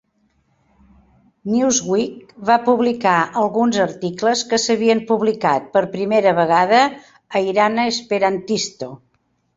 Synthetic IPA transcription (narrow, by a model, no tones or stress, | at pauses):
niuzɣwik̚βapuβlikaʔəlˠɣunzəɾt̪ikləskəsəβiəmpuβlikat̪̚pəɾpɾimeɾəβəɣaðəː | iɾanəespeɾant̪ist̪o